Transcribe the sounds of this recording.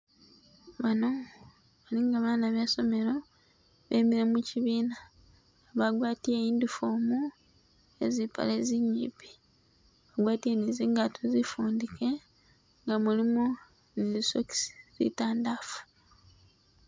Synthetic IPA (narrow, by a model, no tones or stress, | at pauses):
βano̞ | βaliŋɡaβaːnaβjaso̞me̞ɾo̞ | βḛmiɾemuciβiːna | βaɡwaːtiejiːndufoːmu | e̞zipa̰le̞ziɲːḭːpi̥ | βaɡwaːtieniziːŋɡatʰozifuːndikʰe̞ | ŋɡamulimu | ndisoki̥si̥zḭtaːndaːfu̥